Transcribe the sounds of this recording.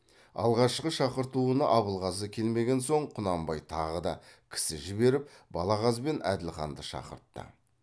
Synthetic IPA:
ɑ̰lˠʁɑʃqəʃɑqəɾt̪uənəʔɑβəlˠʁɑzəkʲʰe̞lme̞ɡʲe̞nso̞ɴqʰʊnɑmbɑjt̪ʰɑʁəd̪ɑ̰kʲʰɪ̥sɪʒɪbe̞ɾɪp̚bɑlˠɑʁɑzbe̞næ̰d̪ɪlχɑ̰nd̪əʃɑ̰qə̰ɾt̪ːə̰

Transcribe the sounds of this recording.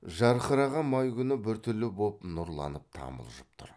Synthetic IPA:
ʒɑɾχəɾɑʁɑmɑjkʲʏnɪbɪɾt̪ʰʏlːɪbopnʊɾlˠɑ̰nəp̚t̪ʰɑ̰mə̰lˠʒəp̚t̪ʰʊ̰ɾ

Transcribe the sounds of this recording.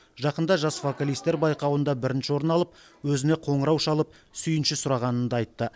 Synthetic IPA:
ʒɑqənd̪ɑʒɑsvo̞kalˠist̪e̞ɾbɑjqɑwənd̪ɑbɪɾɪnʃɪwo̞ɾənɑlˠəp̚ | wɵzɪneqʰo̞ɴəɾɑwʃɑlˠəp̚ | sʏjɪnʃɪsʊɾɑʁɑnənd̪ɑɑjt̪ːə

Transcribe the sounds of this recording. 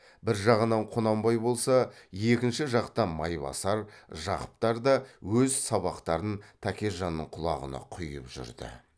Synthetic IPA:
bɪɾʒɑʁənɑɴqʰonɑmbɑjbo̞lˠsɑje̞kʲɪnʃɪʒɑqt̪ɑmɑjβɑ̰sɑɾʒɑ̰qə̥p̚t̪ɑɾd̪ɑwɵzsɑβɑqt̪ɑɾənt̪ʰækʲe̞ʒɑnːəɴqʰʊlˠɑ̰ʁə̰nɑ̰qʰʊjə̰pʒʏ̰ɾd̪ɪ̰

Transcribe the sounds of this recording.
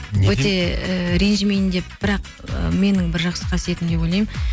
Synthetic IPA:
wɵt̪e̞əɾenʒimej̪nd̪e̞p̚b̥ɪɾɑq | ə̰me̞nɪŋbɪɾʒɑqsə̥qʰɑsije̞t̪ɪnd̪e̞bo̞jlˠɑjm

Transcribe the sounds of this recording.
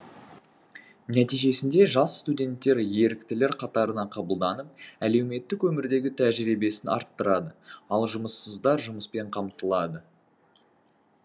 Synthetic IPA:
næt̪ijʒe̞sɪnd̪e̞ʒɑsst̪udʲe̞nt̪ːe̞ɾje̞ɾɪkt̪ɪle̞ɾqʰɑt̪ɑɾənɑqʰɑbəlˠd̪ɑnəp̚æle̞wme̞t̪ːɪkwɵmɪɾd̪e̞ɡʲɪt̪ʰæʒɾibe̞sɪnɑ̰ɾt̪ːəɾɑd̪əɑlˠʒʊməsːəzd̪ɑɾʒʊməspe̞ɴqʰɑmt̪əlˠɑd̪ə

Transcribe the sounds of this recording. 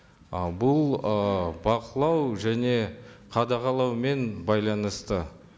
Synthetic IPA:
bʊlˠəbɑqəlˠɑwʒæne̞qʰɑd̪ɑʁɑlˠɑwme̞nbɑjlˠɑnəst̪ə

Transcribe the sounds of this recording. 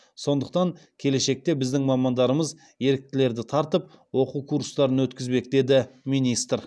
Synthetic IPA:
so̞nd̪əq̚t̪ɑŋkʲʰe̞le̞ʃe̞k̚t̪e̞bɪzd̪ɪŋmɑmɑnd̪ɑɾəməz | je̞ɾɪk̚t̪ɪle̞ɾd̪ɪt̪ʰɑɾt̪əp | wo̞quwkʰuɾst̪ɑɾənwɵt̪kʲɪzbe̞k̚d̪e̞d̪ɪmijnijst̪ɾ

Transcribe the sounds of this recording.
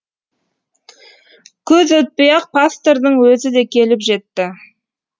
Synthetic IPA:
kʲʰɵzɵt̪̚pejɑq̚pʰast̪eɾd̪əɴwɵzɪd̪e̞kʲʰe̞lɪpʒe̞t̪ːɪ

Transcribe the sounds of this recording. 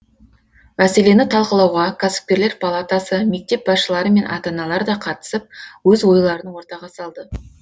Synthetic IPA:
mæse̞le̞nɪt̪ʰɑlˠqəlˠɑwʁɑkʰaso̥fpʲe̞ɾleɾpʰalˠat̪asəme̞k̚t̪e̞p̚bɑsʃəlˠɑɾəme̞nʔɑ̰t̪ɑnɑlˠɑɾd̪ɑqʰɑt̪ə̥səp̚wɵzwo̞jlˠɑɾənəwo̞ɾt̪ɑʁɑsɑlˠd̪ə

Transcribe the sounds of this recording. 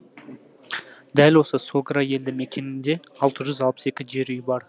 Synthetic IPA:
d̪ælwo̞səsoɡɾɑje̞ld̪ɪŋmekʲe̞nɪnd̪e̞ɑlˠt̪ʰəʒʏzɑlˠpəse̞kʲɪʒe̞ɾʏjbɑɾ

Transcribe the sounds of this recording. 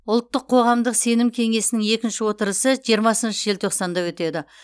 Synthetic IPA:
ʊlˠt̪ːəqʰːo̞ʁɑmd̪əqse̞nɪmkʲʰe̞ŋe̞sɪnɪŋe̞kʲɪnʃɪwo̞t̪əɾəsəʒijəɾmɑsənʃəʒelt̪ʰo̞qsɑnd̪ɑwɵt̪e̞d̪ɪ

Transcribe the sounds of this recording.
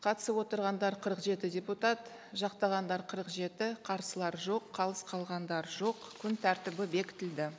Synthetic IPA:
qʰɑt̪ə̥səpwo̞t̪əɾʁɑnd̪ɑɾqʰəɾəqʒe̞t̪ɪdʲe̞put̪ɑt̪ | ʒɑqt̪ɑʁɑnd̪ɑɾqʰəɾəqʒe̞t̪ɪqʰɑɾsəlˠɑɾʒo̞qʰːɑlˠəsqʰɑlˠʁɑnd̪ɑɾʒo̞qkʲʰʏnt̪ʰæɾt̪ɪbɪbe̞kʲɪ̥t̪ɪld̪ɪ

